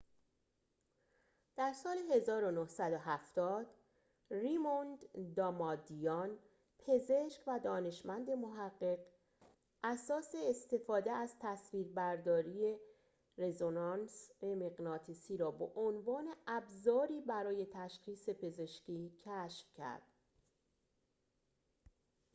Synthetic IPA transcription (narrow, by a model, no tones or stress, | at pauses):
d̪̥æɾsɒːle̞ɦe̞zɒːɾo̞nohsæd̪o̞ɦæft̪ɒːd̪̥ | rimond̪d̪ɒmɒːd̪ijɒn | pʰe̞ze̞ʃcvæd̪ɒːne̞ʃmænd̪e̞moɦæɢːe̞ɢ | ʔæsɒːse̞ːst̪e̞fɒːd̪eæz̥t̪ʰæsviːɾbæɾd̪ɒːɾije̞ | re̞zonɑnsemeɣnɒːt̪ʰisiːɾɒːbeʔonvɒːne̞ʔæbzɒːɾiːbæɾɒːje̞t̪ʰæʃxiːse̞pʰe̞ze̞ʃciːcʰæʃfcʰæ̰ɾd̪̥